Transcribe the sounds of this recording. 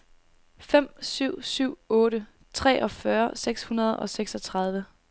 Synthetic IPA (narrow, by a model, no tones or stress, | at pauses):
fem̰syʊ̰syʊ̰ɔ̽ːɾə | t͡sʰʁɛ̰ːʔɒ̽fɶɐseɡ̥shunɐð̞̩ˠɒ̽seɡ̥sɒ̽t͡sʰʁɑ̈ð̞ˠʋə